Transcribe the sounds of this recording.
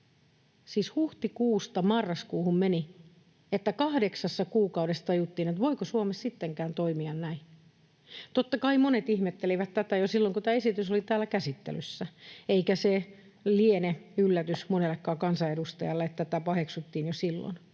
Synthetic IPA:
siːshuht̪ikuːst̪ɑmɑrːɑskuːhummeni | et̪ːækɑhdeksɑsːɑkuːkɑudest̪ɑjut̪ːiːnet̪ʋoikosuomessit̪ːeŋkæːnt̪oimiɑnnæi | t̪ot̪ːɑkɑimonet̪ihmet̪ːeliʋæt̪t̪ːæt̪æjosilːoŋkut̪æːesit̪ysolit̪æːlːækæsit̪ːḛlysːæeikæse | lieneylːæt̪ysmonelːekːɑːkɑnsɑedust̪ɑjɑlːeet̪ːæt̪æpɑɦeksut̪ːiːnjosilːo̰n

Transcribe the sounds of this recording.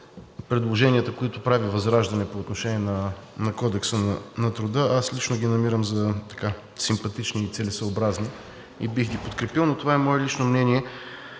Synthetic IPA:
pɾɛd̪lˠoʒɛnʲiət̪əkoit̪ʊpɾavivɐzɾaʒd̪ɐnɛpoːt̪noʃɛniɛnɐnɐkɔd̪ɛksənɐnɐt̪ɾʊd̪əʔaslit͡ʃnoɡʲinɐmiɾəmzɐt̪ɐ̥ka | simpɐt̪it͡ʃniːt̪sɛlɛsəobɾazni | ḭbixɡ̪ipot̪kɾɛpilˠnot̪ovaɛmɔɛlit͡ʃnomnɛniɛ

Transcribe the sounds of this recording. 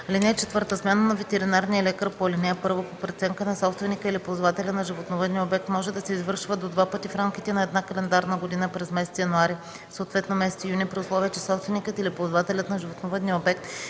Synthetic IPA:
linɛt͡ʃɛt̪vɤɾt̪əsmɛnənɐvɛt̪ɛɾinaɾnijəlɛkəɾpolʲinɛɛpɤɾvopopɾɛt̪sɛŋkənɐsɔpst̪vɛnikəilipozvat̪ɛlʲənɐʒivot̪novəd̪nijəobɛk̚t̪mɔʒɛd̪ɐsɛizvɤɾʃvəd̪od̪vapɤt̪ifɾamk̟it̪ɛnɐɛd̪nakɐlɛnd̪aɾnəɡod̪inəpɾɛzmɛsɛt̪sjɐnuaɾi | soːt̪vɛt̪nomɛsɛt̪ijunʲiɛpɾiʊslˠɔviət͡ʃɛ̥sɔpst̪vɛnikət̪ilipozvat̪ɛlʲət̪nɐʒivot̪novəd̪nijəobɛk̚t̪

